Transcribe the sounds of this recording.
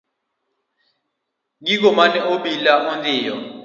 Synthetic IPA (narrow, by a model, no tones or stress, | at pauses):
ŋik̬ɔmanɛoɓilaʔund͡ɮʼiːjɔ̰